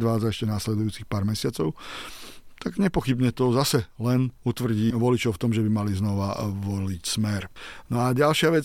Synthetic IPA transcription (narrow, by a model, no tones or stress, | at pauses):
d̪ʋaːd͡zaɛʃcɛnaslɛd̪ujuːt͡sixpaːɾmɛsɪat͡sɔʊ | t̪aɡɲɛpɔxibɲɛt̪ɔzasɛlɛnut̪ʋr̩ɟiːʋɔlit͡ʃɔʊft̪ɔmʒɛbimaliznɔʋaʋɔlicsmɛɾnɔaɟalʃɪaʋɛ